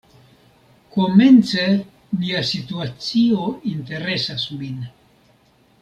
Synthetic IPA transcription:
ko̞ment͡se | miasituat͡siointe̞ɾesasmin

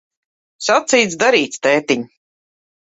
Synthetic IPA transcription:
sat̪siːt̪sd̪aɾiːt̪st̪ɛːt̪iɲ

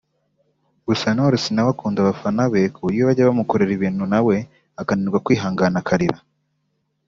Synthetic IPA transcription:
ɡusanoɾesinawakuːndaβafanaβekujiβaɟaβamukoɾeɾiβiːnhunawe̞ | akaniɾɡwakwiːɦaːŋɡanakʰaɾiɾa

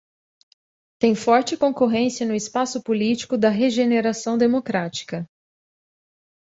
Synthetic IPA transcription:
t̪ẽj̃fɔɾt͡ʃɪkõkoɦẽsiɐnʊɪspasʊpulit͡ʃi̥kʊd̪ɐɦeʒeneɾasɐ̃w̃d̪emokɾat͡ʃi̥kɐ

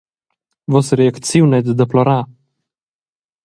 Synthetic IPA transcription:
vɔsɾɛakt̪t͡siwnɛt̪d̪əplɔɾa

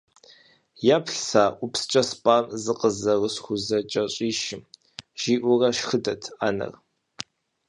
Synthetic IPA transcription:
japʰɬsaːʔʷʊpst͡ʃʼɐspʼaːmzɨqʼəzɐrəsxʷʊzɐt͡ʃʼɐɕʼiːʃɪm | ʒ̥iːʔʷʊrɐʃxɨdɐtʰaːnɐ̰r

